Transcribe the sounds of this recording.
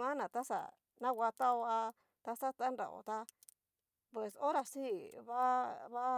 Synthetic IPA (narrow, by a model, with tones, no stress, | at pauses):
mã˦nã˨t̪a˦sa̰˨ | nã˦wʷa˧t̪a˦o˧a˧ | t̪a˧sa˦t̪a˦nɾa̰˨ʔo̰˨t̪a˧ | pwe˨so˦ɾa˧si˦βa˦βa˦